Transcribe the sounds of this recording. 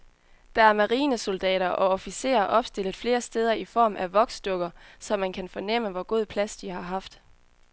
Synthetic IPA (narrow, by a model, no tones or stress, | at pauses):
d̥ɑ̈æɐmæʁiːnəso̝ld̥ɛ̰ːɾɐʔɒ̽ɒfise̝̰ːɐʔɒ̽b̥sd̥e̝l̰əð̩ˠfle̝ːɐsd̥eːð̞ˠɐifɒ̰ːmʔæʋɒ̽ɡ̥sd̥ɔɡ̥ɐsɒ̽mːænkʰænfɒ̽nem̰əʋɒɡ̥o̝ð̞̰ˠpʰlæsd̥iɦɑ̈ɦɑ̈fd̥